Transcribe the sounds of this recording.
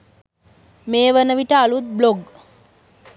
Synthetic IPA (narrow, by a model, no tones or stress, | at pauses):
meːʋənəʋiʈəalut̪̚bloɡ